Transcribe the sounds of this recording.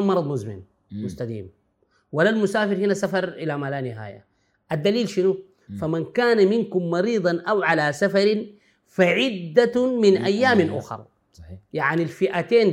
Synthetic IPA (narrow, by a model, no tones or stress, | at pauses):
mɑɾˤɑd̪ˤmʊzmɪ̰n | mʊst̪ad̪ḭːm | walːalmʊsaːfɪɾhinasafɑɾˤʔɪlamaːlaːnɪɦa̰ːja̰ | ʔad̪ːaliːlʃinu | famankaːnaminkumːɑɾiːd̪ˤɑnʔawʕalasafɑɾi | faʕɪd̪ːaminʔajːaːminʔʊxɑ̰ɾˤ | jaʕnilfiʔat̪eːn